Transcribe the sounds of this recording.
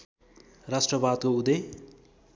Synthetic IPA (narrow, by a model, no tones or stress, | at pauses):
rasʈrʌbad̪̚koud̪e